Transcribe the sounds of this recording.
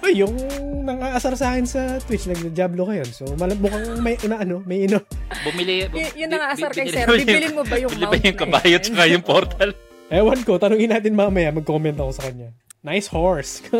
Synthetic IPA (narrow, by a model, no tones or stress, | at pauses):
ʔojjʊŋnɐŋaːʔɐsɐɾsaːkɛnsɐt̪wɪt͡ʃnɐɡ̚d̪ɐd͡ʒaːblokɐjo̞nso̞mɐlɐbʊkɐŋmɐjʔmɐʔɐno̞mɐjʔɐnobʊmɪlɪbjʊŋnɐŋaʔɐsɐɾkɐjɛɾiɪlɪnmobɐjʊbɪlɪbɐjʊŋkɐbaːjɐt͡ʃɐkɐjʊŋpoɾt̪ʰɐl | ʔɛwɐnko̞t̪ɐnoːŋɪnːaːt̪ɪnmaːmɐjamɐɡ̚kːokomɛnt̪oɐkosɐkɐɲɲa | najshoɹsk